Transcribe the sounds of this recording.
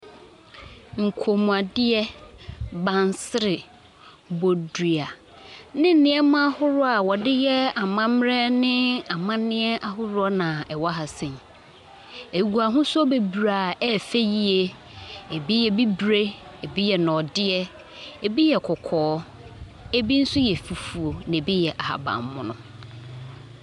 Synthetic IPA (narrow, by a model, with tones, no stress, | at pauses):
ŋ̩˨kʰo˨mũ˨a˨dɪ˦ɛ˦ | bã˨nsɪ˦ɾɪ˨ | bo˨du˨a˨ | nɪ̃˦nɪ̃˨˦ɛ˦mã˦hʊ˦ɾʊ˦a˨wɔ˨dɪ˦jɛ˦a˨mã˦mɾɛ˦nɪ̃˦a˨mã˦nɪ̃˦ɛ˦ʔa˦ɦʊ˦ɾʊ˦ɔ˦nã˨ɛ˨wɔ˦ɦa˨sɪ̃˨n˨ | e˨ɡu˨a˨ɦʊ̃˦sʊ˦ɔ˦be˨bu˨ɾa˨ɛ˦fe˦ji˦e˦ | e˨bi˦jɛ˨bi˦bɾe˦e˨bi˦jɛ˨nɔ̃˨dɪ˦ɛ˦ | e˨bi˦jɛ˨kʰɔ˨kʰɔː˨˦ | e˦bi˦n̩˦sʊ˦jɛ˨fi˨fu˨o˨nɪ̃˨bi˦jɛ˨ʔa˨ha̰˨bã̰˨m˨mːʊ̃˨nʊ̰̃˦